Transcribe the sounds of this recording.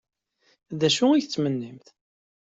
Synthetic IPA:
ðæʃuiʝθt͡sːmənːimθ

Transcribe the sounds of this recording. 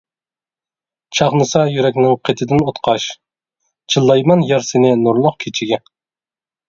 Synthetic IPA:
t͡ʃʰɑχnɨsɑjyɾɛkʲnɪŋqʰet̪ʰɪd̪ɪnot̪qʰɑʃ | t͡ʃʰilˠːɑjmɑnjɑɾsɪnɪnuɾlˠʊqkʲʰet͡ʃʰiɡʲɛ

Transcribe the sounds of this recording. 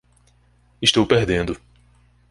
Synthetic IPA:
ɪʃt̪owpeɦd̪ẽnd̪ʊ

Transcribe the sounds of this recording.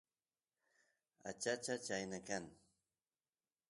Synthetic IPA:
a̰t͡ʃat͡ʃat͡ʃajnakaŋ

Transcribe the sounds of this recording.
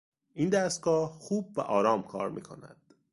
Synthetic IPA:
ʔiːnd̪æst̪̚ɡɒːhxuːb̚væʔɒːɾɒːmkʰɒːɾmʔḭːkʰo̞̰næ̰d̪̥

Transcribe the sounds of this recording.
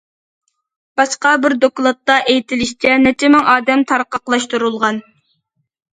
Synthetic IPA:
b̥ɑʃqɑbɪɾd̪oklˠɑt̪ːɑʔejt̪ʰɪlɪʃt͡ʃʰɛnɛt͡ʃʰɪmɪŋʔɑːd̪ɛmt̪ʰɑɾqɑqlˠɑʃt̪uɾulˠʁɑn

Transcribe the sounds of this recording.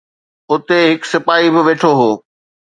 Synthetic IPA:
ʊt̪eɦɪksɪpaːibɪʋeːʈʰoɦoː

